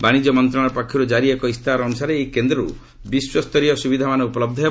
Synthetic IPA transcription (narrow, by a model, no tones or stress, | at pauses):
baɽ̃id͡ʒɔmɔnt̪ɾɔɽ̃ɔɾpakʰːɔɾud͡ʒaɾiekɔist̪ʰaɾɔːnusaɾeːjkend̪ɾɔɾṵ | biswɔst̪ɔɾiɔsubid̪ʱamanɔupɔlɔb̚d̪ʱɔɦe